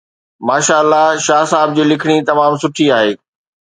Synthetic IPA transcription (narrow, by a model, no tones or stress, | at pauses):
maːʃaːəlːaʃaːsaːɪb̚d͡ʑiːlɪkʰɪɽ̃it̪ɐmaːmsʊʈʰiaːɦeː